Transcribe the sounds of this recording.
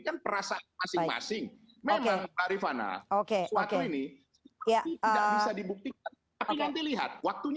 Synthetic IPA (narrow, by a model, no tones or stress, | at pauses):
kanpəɾasaʔamasɪaŋama̰sɪŋ | memkeaŋt̪aɾifana̰ʔokesuotkeini | jaəabisadibuk̚t̪ik̚an | t̪apiaŋt̪iliɦa̰t̪̚wak̚t̪uɲ